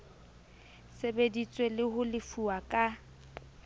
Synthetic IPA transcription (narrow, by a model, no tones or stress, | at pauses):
sebedit͡sʼwelɪhʊlɪfuakʼa